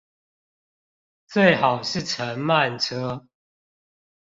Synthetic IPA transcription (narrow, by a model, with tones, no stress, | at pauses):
t͡swe˥˨ɪhɑ˨˩ʊʂɻ̩˥˨ʈ͡ʂʰə˨˦nma˥˨nʈ͡ʂʰɤ˦